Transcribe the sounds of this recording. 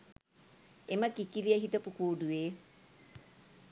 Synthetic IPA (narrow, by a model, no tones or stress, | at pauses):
eməkikiliəɦitəpukuːdueː